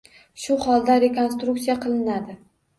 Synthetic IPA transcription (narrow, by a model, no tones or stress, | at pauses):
ʃʊhɒlˠd̪aɾe̞ko̞nst̪ɾuk̚tsijaqʰɨlˠɪnad̪ɪ